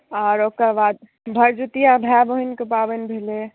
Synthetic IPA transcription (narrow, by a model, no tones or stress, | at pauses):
aɾokəɾbad̪̚ | bʱəɾd͡ʒut̪ijabʱɛbəɦinkepabənbʱele